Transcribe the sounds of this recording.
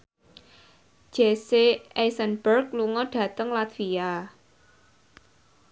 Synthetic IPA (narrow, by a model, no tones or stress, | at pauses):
ʒ̥eseʔɛsənbərkluŋɔɖ̥ä̤t̪əŋlat̪via